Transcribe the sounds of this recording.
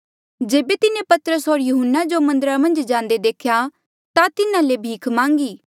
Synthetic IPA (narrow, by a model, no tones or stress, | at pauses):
d͡ʒeːbet̪ɪnẽpɐt̪ɾəsoːɾjʊɦənːad͡ʒomɐ̃nd̪əɾamɐ̃nd͡ʒd͡ʒãːnd̪ed̪eːkʰja | t̪at̪ɪnãlebʱiːkʰmãːŋɡiː